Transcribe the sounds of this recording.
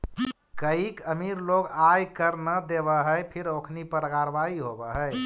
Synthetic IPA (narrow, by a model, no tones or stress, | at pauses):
kəikəmiɾloɡajkəɾnəd̪eβəɦəjpʰiɾokʰnipəɾəkaɾbaiɦobəɦəj